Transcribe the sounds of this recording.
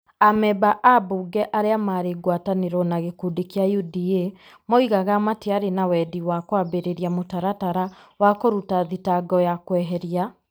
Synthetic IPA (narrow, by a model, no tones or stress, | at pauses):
amɛbaʔabuɡɛʔaɾeamaɾeɡwataneɾɔnaɣekudikeajudie | moiɣaɣamateaɾenawɛdiwakwabeɾeɾiamotaɾataɾawakoɾutaðitaɡɔjakwɛɦɛɾia